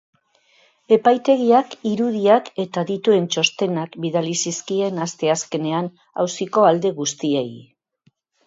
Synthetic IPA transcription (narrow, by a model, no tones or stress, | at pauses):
e̞pajt̪e̞ɣiakiɾuð̞iake̞t̪aðit̪ue̞nt͡ʃo̞st̪e̞nakbiðalisiskie̞nast̪e̞aske̞ne̞an | a̰wsiko̞ald̪e̞ɣ̞ust̪iej